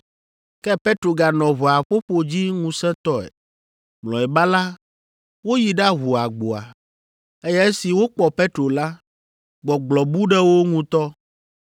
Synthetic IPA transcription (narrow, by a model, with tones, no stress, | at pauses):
kɛ˦pe˦t̪ɾo˨ɡa˨nɔ̃˨βɔ˨a˨ɸo˦ɸo˨d͡ʑi˦ŋũ˨sɛ̃˦t̪ɔ˦ɛ̰˨ | mlɔ̃˨ɛ˨ba˦la˦ | wo˦ji˨ɖa˦ɦu˨a˨ɡ͡bo˨a̰˨ | e˦jɛ˦e˦si˨wo˦k͡pɔ˨pe˦t̪ɾo˨la˦ | ɡ͡bɔ˨ɡ͡blɔ˨bu˦ɖɛ˦wo˦ŋũ˦t̪ɔ˦